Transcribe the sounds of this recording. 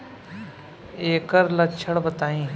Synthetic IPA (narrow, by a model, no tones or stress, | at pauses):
eːkəɾlɐtt͡ʃʰəɽbɐt̪aːĩː